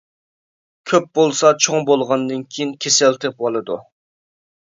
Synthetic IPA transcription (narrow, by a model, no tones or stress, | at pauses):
kʲʰøp̚bolˠsɑt͡ʃʰoŋbolˠʁɑnd̪ɨnkʲʰijinkʲʰesɛlt̪ʰɪp̚olˠɨd̪u